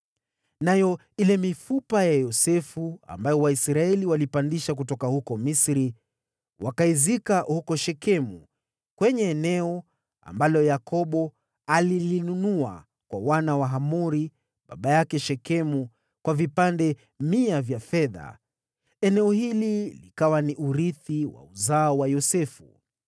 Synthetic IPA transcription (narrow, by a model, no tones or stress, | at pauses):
najɔ | ilɛmifupajajɔsɛfua̰mbajɔwaisɾaɛliwalipandiʃak̬utɔkahukɔmisɾi | wʔakaizikahukɔʃɛkɛmu | kwɛɲɛːnɛɔ | a̰mbalɔjakɔɓɔ | alilinunua̰ | kwawanawaɦamuɾi | ɓa̰ɓajakɛʃɛkɛmu | kwavipandɛ | miavjafɛða̰ | ɛnɛɔhililikawaniʔuɾiθiwa̰uzaːwajɔsɛfṵ